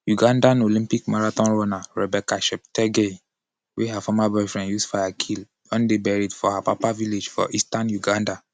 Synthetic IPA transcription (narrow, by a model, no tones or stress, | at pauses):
juɡãndãnolĩmpikmaɹatɔ̃nɹɔnaɹɛbɛkaʃɛp̚tɛɡe | wʔeɦafamabɛfɹɛ̃njusfajakʰil | ɔ̃ndebɛɹitfɔhapapaviled͡ʒfɔ̰ʔistãnjuɡãnda